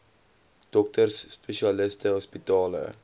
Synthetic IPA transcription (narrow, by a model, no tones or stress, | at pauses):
d̥ɔk̚tərsːpeʃiɐləstəɦɔspitɑːlə̰